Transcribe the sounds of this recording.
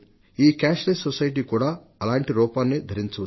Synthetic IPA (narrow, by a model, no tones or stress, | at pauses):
iːkaːʃlesɔsɐjʈ̬iːkuːɽaː | ɐlaːɳʈiɾɔːpaːnːid̪ʱɐɾiɲt͡ʃu